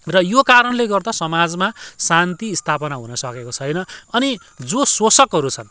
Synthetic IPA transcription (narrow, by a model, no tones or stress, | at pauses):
rʌjokaɾʌnleɡʌrd̪asʌmad͡zmasant̪iːst̪ʰapʌnaɦunʌsʌkekot͡sʰʌjnʌʌni | d͡zoswosʌkɦʌɾut͡sʰʌn